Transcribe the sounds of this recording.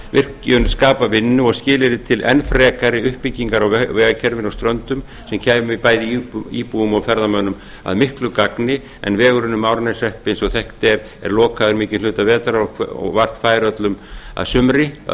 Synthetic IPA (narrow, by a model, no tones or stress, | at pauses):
vɪr̥cʏnskaːpavɪnːʏɔɣscɪːlɪɾɪt̪ʰɪlʔɛ̰nfɾɛːkaɾɪʏhpɪcːiŋkaɾɔɣvɛːɣacʰɛɾvɪnɔwst̪ɾœnt̪ʏm | sɛmcʰaɪpaːjðɪiːpuːʏmɔwfɛɾðamœnːʏm | a̰ðmɪhklʏkaknɪ | ɛ̰nvɛːɣʏɾʏnːʏmaːwɾnɛsɛhpɪnsɔɣθɛhkt̪ɛɾ | ɛ̰ɾlɔːkʰaðʏɾmɪːcɪnlʏːt̪avɛːt̪aɾaɔ̰ɣvar̥t̪faːjɾœt̪lʏma̰ðsʏmɾɪ